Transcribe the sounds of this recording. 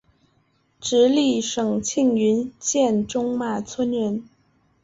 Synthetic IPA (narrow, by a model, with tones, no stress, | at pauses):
ʈ͡ʂɻ̩˧˥li˥˩ʂɤ˨˩ŋt͡ɕʰi˥˩ŋy˧˥nt͡ɕjɛ˥˩nʈ͡ʂʊ˥ŋma˨˩t͡sʰwə˥nɥɛ˧˥n